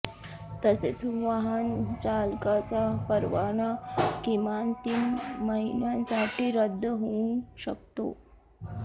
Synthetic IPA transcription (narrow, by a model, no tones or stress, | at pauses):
t̪əset͡sʋaɦənt͡ɕalkat͡sapəɾʋaɳakimant̪iːnməɦinjãnsaʈʰiːɾəd̪ʱːəɦoũɕəkt̪o̰